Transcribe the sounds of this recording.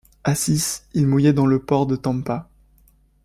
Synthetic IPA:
asisilmujɛd̪ɑ̃ləpɔʁd̪ət̪ɑ̃mpa

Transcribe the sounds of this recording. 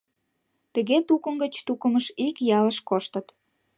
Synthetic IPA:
t̪ə̆ɣet̪ukə̆mɡət͡ɕt̪ukə̆məʃikjɑləʃkoʃt̪ət̪

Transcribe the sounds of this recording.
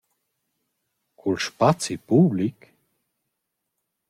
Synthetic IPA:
kʰulʃpat͡sipublik

